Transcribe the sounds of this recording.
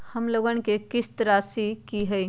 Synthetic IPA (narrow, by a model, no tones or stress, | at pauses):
həmloɡənkekist̪ɾasikiɦəj